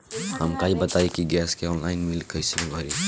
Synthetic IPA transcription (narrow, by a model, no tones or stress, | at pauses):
hɐmkaibɐt̪aːikiɡɛːskeɔːnlaːɪnmɪlkɐɪsimẽbʱɐɾiː